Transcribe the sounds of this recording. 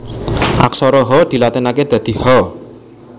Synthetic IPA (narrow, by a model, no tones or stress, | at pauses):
ʔa̰ksɔɾɔɦɔd̪̥i̤lat̪ɪnaked̪̥a̤d̪̥i̤hɔ